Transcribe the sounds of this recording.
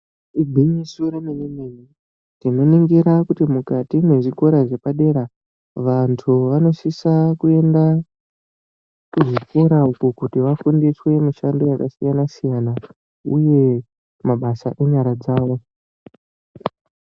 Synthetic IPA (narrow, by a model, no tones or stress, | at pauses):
ibʱiɲisuɾemeɲimeji | tino̞niŋɡiɾakutimukatimwe̞ʐiko̞ɾaʐe̞paɗe̞ɾa | ʋantʰuʋano̞sisakue̞nda | kuʐiko̞ɾaukukutiʋafundiswe̞muʃando̞jakasijanasijana | ṵje̞ | maɓasaʔe̞ɲaɾad͡zaːʋo̞